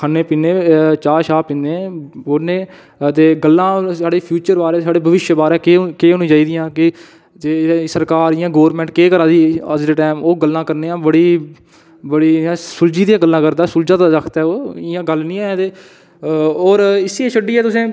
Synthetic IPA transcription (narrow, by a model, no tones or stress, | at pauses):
kʰaːneːpiːnẽːt͡ʃaːʃaːpĩːnd̪eːoneː | t̪eːɡəlːãːsaːɽeːpʰjuːt͡ʃəɾbaːɾɛːsaːɖeːbəʋɪʃjəbaːɾɛːkːkeːonĩːd͡ʒaːiːd̪ɪjãːkɪ | t̪eːsəɾkaːɾɪjãːɡoːʋɾmɛ̃ɳʈkeːkəɾasiːəd͡ʒdeːʈɛːmoːɡəlːãːkəɾneːãːbəɽiː | bəɽiːjãːsʊld͡ʒiːd̪ijãːɡəlːãːkəɾd̪aːsʊld͡ʒãːt̪aɾəkʰt̪ɛːoːɪjãːɡəlnĩːɛːt̪eː | oːɾɪsiːeːt͡ʃʰəɖiːɛːt̪ʊsẽː